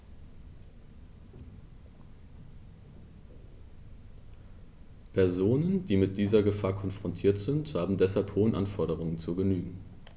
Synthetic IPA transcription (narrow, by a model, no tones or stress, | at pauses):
pʰɛɐzoːnənd̥iːmɪt̚d̥iːzɐɡəfaːɐkʰɔnfʁ̥ɔntʰiːɐtz̥ɪnthaːbm̩dɛshalphoːənʔanfɔɐɾəʁ̞ʊŋənt͡suɡənyːɡŋ̩